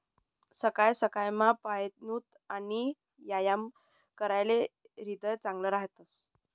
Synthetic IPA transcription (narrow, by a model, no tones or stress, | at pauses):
səkajsəkajmapaet̪nuːt̪ | ani | jajam | kəɾajle | ɾid̪əjt͡sãŋɡləɾaɦt̪əs